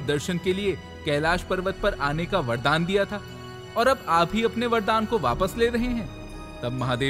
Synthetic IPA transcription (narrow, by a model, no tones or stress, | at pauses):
d̪ɐɾʃənkelie | kɛːlaːʃpɐɾʋət̪̚pɐɾaːnekaʋɐɾd̪aːnd̪ijat̪ʰaː | ɔːɾɐbaːpɦiɐpneʋɐɾd̪aːnkoʋa̰ːpəsleːɾɐɦeɦɛ̃ː | t̪ɐb̚mɐɦaːd̪eː